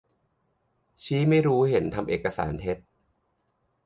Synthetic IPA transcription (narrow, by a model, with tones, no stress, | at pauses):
t͡ɕʰiː˦˥ma˥˩jɾuː˦˥he˩˦nt̪ʰa˧mʔeː˨˩kːa˧sa̰ː˩˦nt̪ʰe˦˥t̪̚